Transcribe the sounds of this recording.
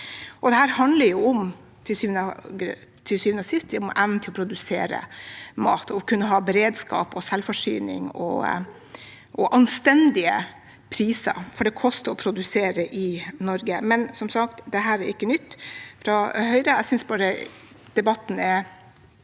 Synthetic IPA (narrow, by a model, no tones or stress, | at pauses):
ʔɔd̪ɛhæːɾhɑnd̪ləɾjʊɔm | t̪ʰɪsyːʋnəɡt̪ʰɪlsyːʋənəsɪst̪ɔmʔæʋnt̪ʰɪlɔpʰɾʊd̪ʉsḛːɾə̰mɑ̰ːt̪ʰɔkʉnːəɦɑːbɛɾeːd̪skɑ̰ːpɔsɛlfɔʂy̰ːnɪ̰ŋɔ̰ | ʔɔʔɑnst̪ɛnd̪ɪə | pʰɾiːsɑ̰ɾfɔɖɛkʰɔst̪əɔpʰɾʊd̪ʉseːɾəʔɪnɔɾɡəmɛnsɔmsɑkt̪d̪ɛɦæːɾɛɾɪkːənʏt̪ːfɾɑhœʏɾəɛɪsʏnsbɑːɾə | d̪̥ɛbɑt̪ːn̩ɛɾ